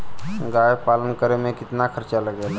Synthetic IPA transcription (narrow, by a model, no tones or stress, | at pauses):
ɡaːjpaːlənkəɾemẽkɪt̪nakʰəɾt͡ʃaləɡɛːla